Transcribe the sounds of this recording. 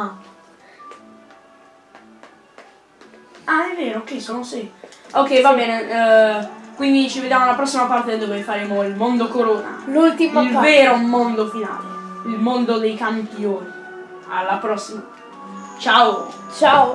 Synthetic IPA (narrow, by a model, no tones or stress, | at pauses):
a | aɛvːeːɾoːkːɛsoːnosiokːɛjvabɛːne | kwind̪it͡ʃived̪jaːmolapɾɔsːimapart̪ed̪ɔːvefaɾeːmoilmond̪okoɾoːna̰lult̪imilveːɾomond̪ofina̰ːleilmond̪od̪ejkampioːni | a̰lːapɾɔsːima | t͡ʃaot͡ʃa